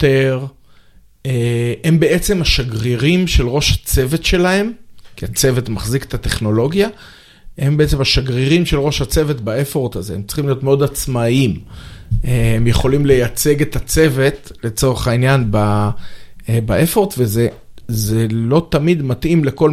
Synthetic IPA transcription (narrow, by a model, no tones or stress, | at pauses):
teʁ | ee̞mbe̞ʔet͡se̞maʃaɡʁiʁimʃe̞lʁo̞ʃhat͡se̞vet̪ʃe̞lahe̞mkiat͡se̞ve̞t̪maχzike̥t̪at̪e̞χno̞lo̞ɡja | he̞mbeet͡semaʃaɡʁiʁimʃelʁo̞ʃhat͡se̞vet̪baefo̞ʁt̪aze̞emtt͡siχimlio̞t̪meo̞d̪at͡smaim | ehemjeχo̞limle̞jat͡se̞ɡet̪at͡se̞ve̞t̪le̞t͡so̞ʁeχainjanba | baefo̞ʁtve̞ze | zelo̞t̪amid̪mat̪ʔimle̞ko̞l